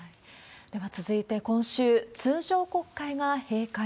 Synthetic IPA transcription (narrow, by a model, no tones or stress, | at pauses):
d̪̥e̞βat͡sɨzɨit̪e̞kõ̞ɰ̃ɕɨːt͡sɨːʑo̞ːko̞kːaiɡahe̞ːka